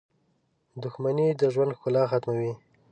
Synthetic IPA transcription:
d̪ʊxmanid̪əʒwand̪xkʊlɑxat̪mawi

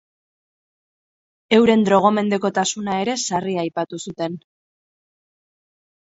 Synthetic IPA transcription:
e̞wɾe̞nd̪ɾo̞ɣ̞o̞me̞nd̪e̞ko̞t̪asunae̞ɾe̞sariajpat̪usut̪e̞n

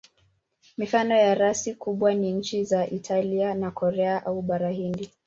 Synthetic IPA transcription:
mifanɔjaɾasikuɓwaniɲ̩t͡ʃizaʔitʰalianakʰɔɾɛaʔauɓaɾahindi

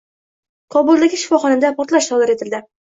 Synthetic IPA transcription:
kʰɒbʊlˠd̪aɡʲɪʃɪ̥fɒχɒnɪmd̪apʰɒɾt̪laʃt̪ʰɒwlˠaɾe̞t̪ʰɪld̪ɪ

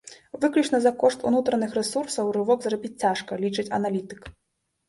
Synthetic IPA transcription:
vɨklʲut͡ʂnɐzɐkɔʂt̪ṵnut̪ɾɐnɨxrɛsursɐwrɨvɔɡzrabʲit͡sʲt͡sʲaʂkɐlʲit͡ʂɨt͡sʲɐ̰nalʲit̪ɨ̥k

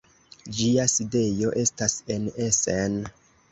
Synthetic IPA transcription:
d͡ʒiaside̞jo̞ʔe̞stase̞nesen

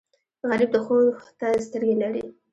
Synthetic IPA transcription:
ɣalɪb̚d̪əxoxt̪as̬t̪əɾɡelaɽḭ

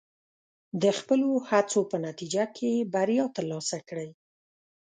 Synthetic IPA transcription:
d̪əxpəlohat͡sopənat̪id͡ʒakʰebaɾjɑt̪əɾlɑsakɽəj

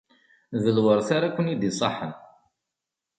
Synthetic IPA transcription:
ðəlwəɾˤθaɾakʷːənid̪isˤɑ̰ħən

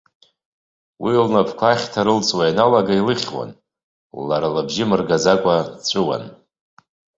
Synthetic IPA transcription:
wilnapʰkʷʰaχʲtʰaɾɨlt͡sʼwajanalaɡailɨχʲwa̰n | lːaɾalabʒɪmɨrɡazakʷʼat͡sʷʼʊwa̰n

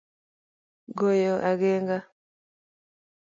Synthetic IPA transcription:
ɡɔjɔʔaɡɛŋɡa

